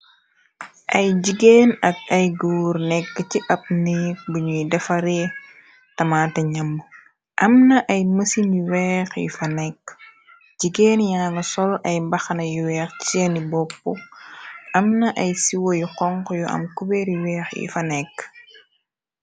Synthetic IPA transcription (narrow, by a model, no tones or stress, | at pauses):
ʔɐjɟiɡeːnɐk̚ɐjɡuːɾnɛkːəciʔɐp̚nik̚buɲudɛfɐɾe | tɐmatɐɲɐmː | ʔɐmnɐʔɐjməsiniwɛːxḭfɐnɛkː | ɟiɡeːnjaːnɐsɔlɐjmbɐxɐnɐjuwɛːxenibɔpːu | ʔɐmnɐʔɐjsiwojuqɔŋkjuʔɐ̰mkubɛɾiwɛːxjḭfɐnɛkː